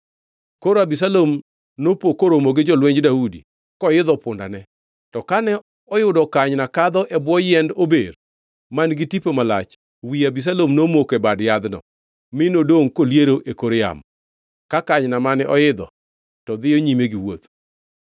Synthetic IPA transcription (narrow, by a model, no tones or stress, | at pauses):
koɾabis̬alom | nopokːoɾomoɡɪd͡ʒɔlweɲdaudḭ | kɔjɪd̪ɔpʊnda̰nɛ | tɔkanɛ | ɔjʊdɔkaɲnakad̪ɔʔɛbwɔjɛndobḛr | manɡɪtipomala̰t͡ʃ | wiabis̬alomnomokɛbadjad̪nɔ̰ | mɪnodoŋkoljeɾoʔekoɾja̰m | kakaɲnamanɛʔɔjɪd̪ɔ̰ | tɔd̪ɪɔɲimeɡiwo̰t̪